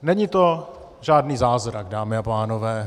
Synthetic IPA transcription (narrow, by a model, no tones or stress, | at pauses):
nɛɲit̪o̞ | ʒaːdniːzaːzɾaɡdaːmɪapaːnovɛː